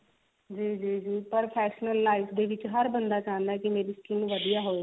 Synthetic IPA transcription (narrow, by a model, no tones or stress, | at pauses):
d͡ʒiːd͡ʒiːd͡ʒiːpəɾpʰɛːʃnəlːaːɪfd̪eːʋɪt͡ʃɦəɾbənd̪aːt͡ʃãːnd̪aɛkimeːɾiːskɪnʋəd̪ijaːɦoi